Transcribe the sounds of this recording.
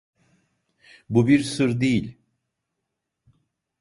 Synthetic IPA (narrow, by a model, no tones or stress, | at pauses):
bubiɾsɯɾd̪ejilʲ